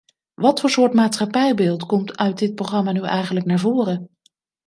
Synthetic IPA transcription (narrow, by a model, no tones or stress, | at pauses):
ʋɑtfʊːɹsʊːɹtmaːtsχɑpɛjbɪːlˠtkɔmtʰœɥd̚dɪt̚proχrɑmaːnyʔɛjχənləknaːɹvoːrə